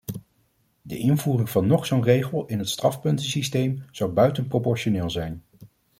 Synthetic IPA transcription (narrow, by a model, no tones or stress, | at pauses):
dəʔɪnvuːrɪŋvɑnːɔχsownrejχəlˠɪnɦətstrɑfpɵntəsistejmz̥ʌwbœɥtənpropɔɹʃonɪːlˠzɛjn